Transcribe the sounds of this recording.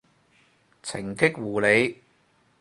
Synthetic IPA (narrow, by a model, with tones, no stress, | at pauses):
t͡sʰɪ˨˩ŋkɪ˥k̚wuː˨˩le˨˧j